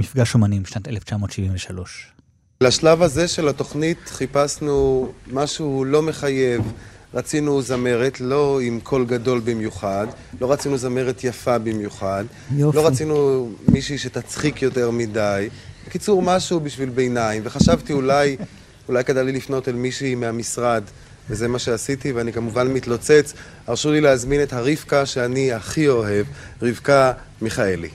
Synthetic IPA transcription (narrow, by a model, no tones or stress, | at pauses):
mifɡaʃomanimʃnat̪eleft͡ʃamo̞ːtʃiviɱveʃalo̞ʃ | laʃlavaze̞ʃe̞lato̞χnitχipasnumaʃulo̞me̞χaje̞vʁat͡sinuzame̞ʁetlo̞imkʰo̞lɡado̞lbimjuχad | lo̞ʁat͡sinuzame̞ʁet̪ʰjafabimjuχad | lo̞ʁat͡sinumiʃiʃe̞tat͡sχikjo̞te̞ʁmidaj | bekit͡suʁmaʃubiʃvilbejnaimveχaʃavtiulaj | ulajkedalilifno̞telmiʃimeamisʁad | veze̞maʃe̞asitiveanikamuvanmit̪lot͡set͡s | aʁʃulileazminethaʁiv̥kaʃeaniaχio̞ɦe̞vʁivka | miχaelḭ